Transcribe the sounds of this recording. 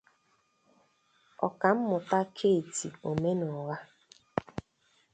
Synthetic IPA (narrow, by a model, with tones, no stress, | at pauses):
ɔ̰˨ka˨m̩˦mʊ˨ta˦kʰe˦˨ti˨o˨me˦nɔ˨ɣa˦